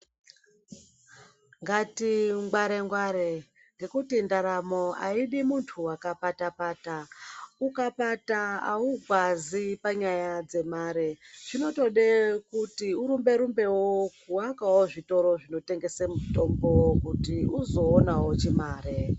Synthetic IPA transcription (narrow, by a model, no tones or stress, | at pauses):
ŋɡatiŋɡwaɾe̞ŋɡwaɾe | ŋɡe̞kutindaɾamo̞a̰iɗimuntʰuwakapatapaːtaukapataauɡʱwazipaɲajad͡ze̞maːɾeʐ̥ino̞to̞ɗe̞kutiuɾumbe̞ɾumbe̞wokuwakawoʐito̞ɾo̞ʐino̞te̞ŋɡe̞semuto̞mbo̞wokutiuzo̞ːnawo̞t͡ʃimaːɾe